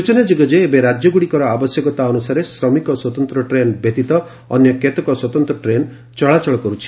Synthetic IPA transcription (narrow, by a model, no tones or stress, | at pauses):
ɾut͡ʃɔnad͡ʒiɡɔd͡ʒeːbeɾad͡ʒjɔɡuɽikɔɾɔabɔsjɔkɔt̪aɔnusaɾesɾɔmikɔswɔt̪ɔnt̪ɾɔʈɾenbjet̪it̪ɔː | njɔket̪ɔkɔswɔt̪ɔnt̪ɾɔʈɾen | t͡ʃɔɭat͡ʃɔɭɔkɔɾut͡ʃʰi̥